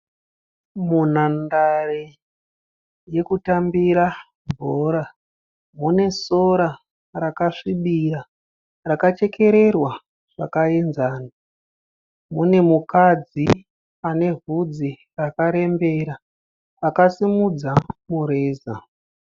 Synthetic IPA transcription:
mun̤andare | je̞kutambiɾa | bʱoːɾa | mune̞soɾa | rakaʂiɓira | rakat͡ʃe̞kʰe̞ɾe̞rwa | ʐ̥akaenzaːna | mune̞mukad͡zi | ane̞ɦud͡zi | rakaɾe̞mbe̞ɾa | akasimud͡zamuɾeːza̰

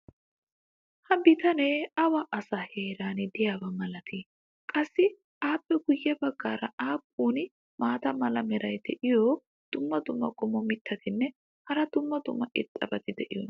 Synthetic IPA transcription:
hɐbɪt̪ɐneːɐwɐʔɐsaheːɾaːnɪd̪ɪjaːbɐmɐlɐt̪ʰɪ | kʼɐsːɪ | ʔaːpːɛɡʊjːɛbɐɡːaːɾɐaːpʼːuːnɪ | maːt̪ɐmɐlɐmɛɾɐjd̪ɛʔɪjɔ | d̪̥ʊmːɐd̪ʊmːɐkʼɔmːɔmɪt̪ːɐt̪ʰɪnːɛ | hɐɾɐd̪̥ʊmːɐd̪ʊ̰mːɐʔɪt̪ʼːɐ̰bɐt̪ɪd̪ɛʔɪ̰jɔ̰n

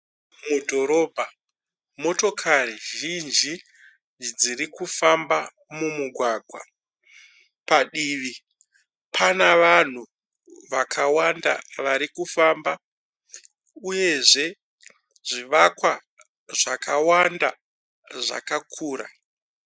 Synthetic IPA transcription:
mudʱo̞ɾo̞ːbʱa | mo̞to̞kʰaɾiʒind͡ʒi | d͡ziɾikufamba | mumuɡʱwaɡʱwa̰ | paɗiʋi | pʰanaʋan̤u | ʋakʰawanda̰ʋaɾikufamba | uje̞ʐe̞ | ʐiʋakwa | ʐakʰawanda | ʐa̰kakʰuːɾa̰

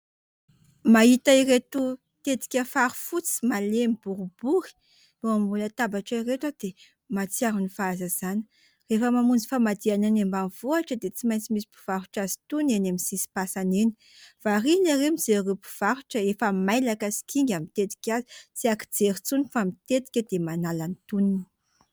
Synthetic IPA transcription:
mait̪airet̪u | t̪et̪i̥kʲəfaɾu̥fut͡si̥malemib̥uɾub̥uɾi̥ | loambulət̪abaʈ͡ʂairet̪ad̪̥e | mat͡siaɾunifaazazanə̥ | refəmamund͡zifamad̪iananembanvoaʈ͡ʂəd̪et͡simajnt͡simisi̥pu̥v̥aɾuʈ͡ʂazi̥t̪unenamisisi̥pasaneni̥ | v̥arinaremid͡zerepu̥v̥aɾuʈ͡ʂəefəmajlakasi̥kiŋɡʲamit̪et̪i̥kʲazit͡siaki̥d͡zeɾit͡sunifamit̪et̪i̥kʲəd̪̥emanalanit̪unini̥

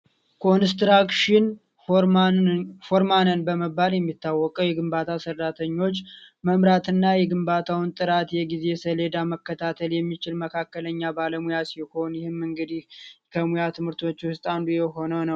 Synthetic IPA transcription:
kʰo̞nst̪ɾakʃɪn | foɾmanənbəməbːaljɛmːit̪ːawːɔkʼəwjɛɡɨmbat̪ʰasərːat̪ʰəɲːo̞t͡ʃːməmɾat̪ɨnːajɛɡɨmbat̪ʰawɨnt̪ʼɨɾat̪jɛɡize̞səle̞d̪aməkːət̪ʰat̪ʰəljɛmːit͡ʃɪlməkʰakːələɲːabaləmujasiho̞njɪhɨmːɨŋɡɨd̪ihkʰəmujat̪ʰɨmɨɾt̪ʰo̞t͡ʃːwʊst̪ʼand̪ujɛɦo̞nəwnəw

